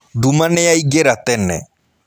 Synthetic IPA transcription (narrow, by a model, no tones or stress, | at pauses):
ɖumanɛjajɡɛɾat̪ɛnɛ̰